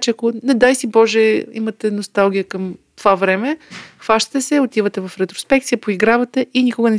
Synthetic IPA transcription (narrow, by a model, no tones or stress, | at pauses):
t͡ʃɛakonɛd̪ajsibɔʒɛḭmɐt̪ɛnost̪alˠɡ̟ʲijəkɐmt̪ovavɾɛmɛxvaʃt̪ə̥t̪ɛsɛot̪ivət̪ɛvɐfɾɛt̪ɾospɛk̚t̪sijəpoiɡɾavət̪ɛʔinikʊɡənɛ